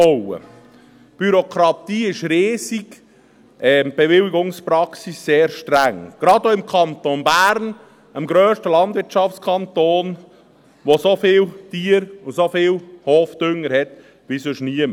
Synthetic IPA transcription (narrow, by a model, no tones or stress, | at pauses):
ɔwə̰ | b̥yɾokʰɾɑt̪iːɪʃɾeːsiɡ | ʔɛb̥evɪliɡʊŋspɾɑksisːeːɾʃtɾæŋɡ̥ɾɑd̪oɪmkʰɑnt̪onbæːɾn | əmɡɾœːʃtəlɑndʋɪtʃɑftt͡skʰɑnt̪oːn | ʋosofɪːlt̪iːəɾʊnsofɪːlhoːfd̥̪ʏŋːəɾhɛt̪ | ʋisøʃniəm